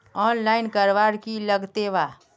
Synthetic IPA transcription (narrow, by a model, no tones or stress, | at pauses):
ɔnlainkəɾʋaɽkiləɡt̪eʋa